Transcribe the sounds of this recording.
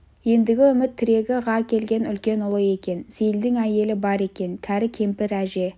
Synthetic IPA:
je̞nd̪ɪɡʲɪʏmɪt̪ʰːɪɾe̞ɡʲɪʁɑkʲʰe̞lɡʲe̞nʏlkʲe̞nʊlˠəje̞kʲe̞nsijɪld̪ɪŋæje̞lɪbɑɾe̞kʲe̞nt̪ʰæɾɪkʲʰe̞mpɪɾæʒe̞

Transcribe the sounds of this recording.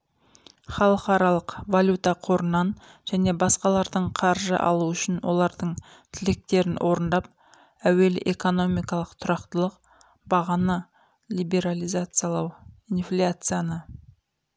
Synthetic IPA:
χɑlˠəqɑɾɑlˠəqvalʲut̪ɑqʰo̞ɾənːɑnʒ̥æne̞bɑsqɑlˠɑɾd̪əɴqʰɑɾʒə̰ʔɑ̰lˠuʏʃɪnwo̞̰lˠɑɾd̪əɴ | t̪ʰɪlɪk̚t̪e̞ɾɪnwʔo̞ɾənd̪ɑp̚ | æwe̞lɪ̰ʔeko̞no̞mijkɑlˠəqt̪ʰʊɾɑqt̪əlˠəq | bɑʁɑnɑ | lʲijbe̞ɾalʲijzat̪sɨjalˠɑwinflʲat̪sɨjanə

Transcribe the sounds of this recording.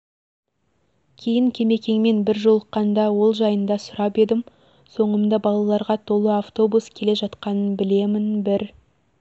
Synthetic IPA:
kʲʰe̞jɪŋkʲʰe̞me̞kʲe̞ŋme̞nbɪɾʒo̞lˠəqːɑnd̪ɑwo̞lˠʒɑjənd̪ɑsʊɾɑpe̞d̪ɪm | so̞ɴəmd̪ɑbɑlˠɑlˠɑɾʁɑt̪ʰo̞lˠəaft̪o̞buskʲʰe̞le̞ʒɑt̪qɑnənbɪle̞mɪnbɪɾ

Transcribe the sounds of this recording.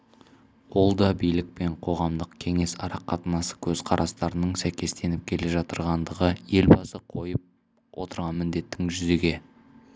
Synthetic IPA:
wo̞lˠd̪ɑbijlɪk̚pe̞ɴqʰo̞ʁɑmd̪əqkʲʰe̞ŋe̞sɑɾɑqːɑt̪ənɑsə̥kʲʰɵz̥qʰɑɾʔɑst̪ɑɾənəɴsæjkʲe̞st̪e̞nɪp̚kʲʰe̞le̞ʒɑt̪əɾʁɑnd̪əʁəje̞lbɑsəqʰo̞jəp̚ | wʔo̞t̪əɾʁɑnmɪnd̪e̞t̪ːɪŋʒʏze̞ɡʲe̞

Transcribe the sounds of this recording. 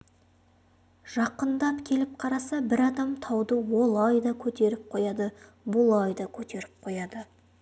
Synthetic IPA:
ʒ̥ɑqːənd̪ɑpkʲʰe̞lɪp̚qʰɑɾɑsɑbɪɾɑd̪ɑmt̪ʰɑwd̪əwo̞lˠɑjd̪ɑkʲʰɵt̪e̞ɾɪp̚qʰo̞jɑd̪ə | bʊlˠɑjd̪ɑkʲʰɵt̪e̞ɾɪp̚qʰo̞jɑd̪ə

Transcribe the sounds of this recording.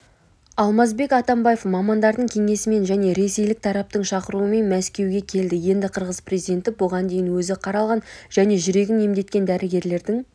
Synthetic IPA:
ɑlˠmɑzbe̞kɑt̪ɑmbɑjefmɑmɑnd̪ɑɾd̪əɴkʲʰe̞ŋe̞sɪme̞nʒæne̞ɾe̞se̞jlɪk̚t̪ʰɑɾɑp̚t̪əɴʃɑqəɾuəme̞nmæskʲe̞wɡʲe̞kʲʰe̞ld̪ɪje̞nd̪ɪqʰəɾʁəzprʲezijd̪ʲe̞nt̪ɪbʊʁɑnd̪e̞jɪnwɵzɪqʰɑɾɑlˠʁɑnʒ̥æne̞ʒʏɾe̞ɡʲɪne̞md̪e̞t̪̚kʲe̞nd̪æɾʔɪɡʲe̞ɾle̞ɾd̪ɪŋ

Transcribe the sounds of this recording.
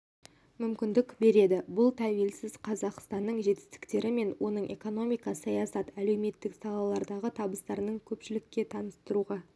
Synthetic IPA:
mʏmkʲɪnd̪ɪkbe̞ɾe̞d̪ɪbʊlˠt̪ʰæwe̞lsɪzqʰɑzɑqst̪ɑnːəɴʒe̞t̪ɪ̥st̪ɪ̥kt̪e̞ɾɪme̞nwo̞nəɴe̞̰ko̞no̞mijkɑsɑjɑsɑt̪æle̞wme̞t̪ːɪksɑlˠɑlˠɑɾd̪ɑʁət̪ʰɑbəst̪ɑɾənəɴkʲʰɵpʃɪlɪkʲːe̞t̪ʰɑnəst̪əɾuʁɑ

